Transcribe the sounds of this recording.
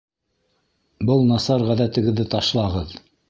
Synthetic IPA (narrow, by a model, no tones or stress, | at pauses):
bɤlˠnɑsɑɾʁæðæt̪ɘ̆ɡɘ̆ðːɘt̪ɑʃlˠɑʁɤð